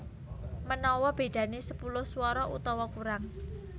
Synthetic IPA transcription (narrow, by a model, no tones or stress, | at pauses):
mənɔwɔb̥e̤ɖ̥ä̤nesəpulʊhsuwɔɾɔʔṵt̪ɔwɔkuɾaŋ